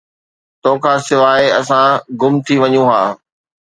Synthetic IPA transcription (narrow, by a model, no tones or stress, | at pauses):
t̪oːkʰaːsɪʋaːeɐsãɡʊmt̪ʰiʋɐɲũɦaː